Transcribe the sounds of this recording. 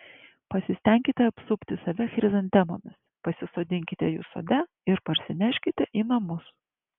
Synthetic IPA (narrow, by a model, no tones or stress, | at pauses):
pɐsʲɪsʲt̪ʲɛŋʲkʲɪt̪ʲɛɐpsʊpʲt̪ʲɪsɐʋʲɛxʲɾʲɪzɐnʲt̪ʲɛmo̰ːmʲɪs | pɐsʲɪsoːd̪ʲɪŋʲkʲɪt̪ʲɛjṵːso̰d̪ʲɛ | ɪɾpɐɾʲsʲɪnʲæʃʲkʲɪt̪ʲɛʔiːnɐmʊs